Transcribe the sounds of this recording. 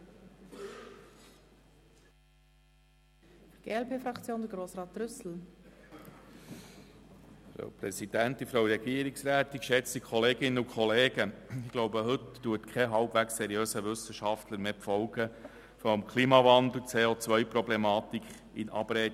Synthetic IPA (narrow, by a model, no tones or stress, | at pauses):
ɡ̥ḛːɛlpeːfɾɑkt͡sjoːndəɡɾoːsɾɑːt̪̚ɾʏsl̩ | fɾɑ̰wpɾɛsid̥̪ænt̪ifɾɑwɾɛɡ̥iəɾiksɾæːt̪ikʃɛt͡st̪ikʰɔleːɡɪnːəukʰχɔleːɡəɪɡ̥loʊbəɦɵtːuətkʰχɛɦɑlbvækssɛɾijøːsəʋɵsəʃɑft̪ləɾmeːpfɔwɡə | fɔmkʰliːmɑvɑnd̪l̩ˠt͡seːot͡sʋœjpɾɔblɛmɑːt̪ik | inʔɑ̰bɾɛː